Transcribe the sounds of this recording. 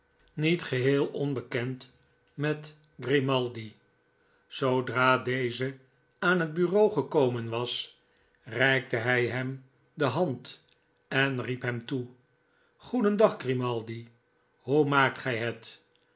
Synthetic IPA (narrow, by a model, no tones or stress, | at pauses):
nitχəɦɪːlˠɔnbəkɛnt | mɛt | ɡrimɑlˠdi | sowdraːdejzə | aːnɦəd̚byrowχəkowmənʋɑs | rɛjk̚təɦɛjɦɛm | dəɦɑnt | ɛnripɦɛmtu | χudəndɑχɡrimɑlˠdi | ɦumaːk̚tχɛjɦət